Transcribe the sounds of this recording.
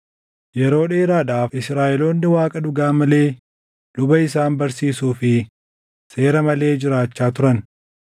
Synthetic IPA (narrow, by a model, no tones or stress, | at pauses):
jɛɾo̞ːᶑeːɾaːd̪aːfɪsɾaːʔɛlo̞ːnːɪwaːkʼɐd̪ʊɡaːmɐle̞ː | d̪ʊbɐɪs̬aːnbɐɾsiːsuːfɪ | se̞ːɾɐmɐle̞ːd͡ʒɪɾaːt͡ʃːaːt̪ʊɾɐn